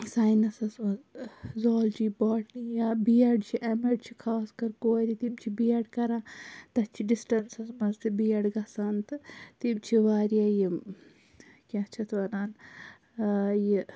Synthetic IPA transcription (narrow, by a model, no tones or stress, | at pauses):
saːjnɐsɐsmɐzzoːld͡ʒiːbaːʈnijabijɐɖt͡ʃʰiʔɐmeɖt͡ʃʰikʰaːskɐɾkoːɾit̪ibt͡ʃʰibiɐɖkɐɾãːt̪ɐt͡ʃʰiɖisʈɐɾsɐsmɐzt̪ibijɐɖɡɐsɐnt̪ɨt̪ibt͡ʃʰiʋaːɾijaji | kʲãt͡ʃʰɐt̪ʰʋɐnaːn | ji